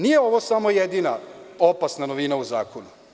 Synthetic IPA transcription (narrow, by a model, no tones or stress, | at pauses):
nijeo̞ʋosamo̞jed̪iːnao̞pasnanoʋiːnauzaːkonu